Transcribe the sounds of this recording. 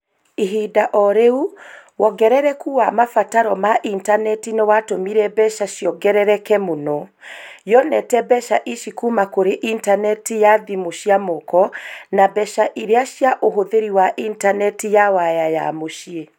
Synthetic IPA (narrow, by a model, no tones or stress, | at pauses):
iɦidaʔɔɾeuwɔɡɛɾɛɾɛkuwamafataɾɔmaʔintanɛtinewatomiɾɛbɛʃaɕjɔɡɛɾɛɾɛkɛmonɔ | jɔnɛtɛbɛʃaʔiʃikumakoɾeʔintanɛtijaðimoʃjamokɔnabɛʃaʔiɾeaʃjaʔoɦoðeɾiwaʔintanɛtijawajaja̰moʃie